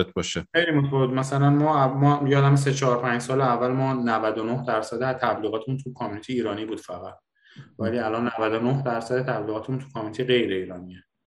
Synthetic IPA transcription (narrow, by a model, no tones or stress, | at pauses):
et̪̚ʰbɒːʃexe̞jlimot̪ʰæfovet̪mæsælænmɒːæmɒjɒːd̪æmes̬et͡ʃʰɒːɾpʰæɲd͡ʒsɒːleævːælmɒːnævæd̪onohd̪æɾsæd̪t̪ʰæbliːɣɒːt̪ʰemunt̪ʰukʰɒːmunit̪ʰiiːɾɒːniːbuːd̪̥fæɣæt̪̚ | væliːælɒnːævæd̪onohd̪æɾsæd̪et̪ʰæbliːɣɒːt̪ʰemunt̪ʰu̥kʰɒminit̪ʰijɣe̞jɾeiːɾɒːnie